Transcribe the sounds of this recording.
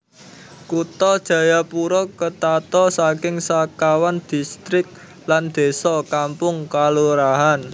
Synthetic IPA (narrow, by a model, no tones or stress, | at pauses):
kut̪ɔd̥ʒ̥ä̤japuɾɔkət̪at̪ɔsakɪŋsakawand̪̥i̤st̪ɾɪk̚ | land̪̥e̤sɔkampʊŋkaluɾaɦan